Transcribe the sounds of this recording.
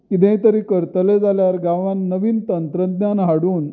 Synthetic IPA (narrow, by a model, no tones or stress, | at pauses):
kid̪ẽjt̪əɾiːkəɾt̪əled͡zʱaljaɾɡaʋanːəʋiːnt̪ənt̪ɾəd̪nanɦaɽuːn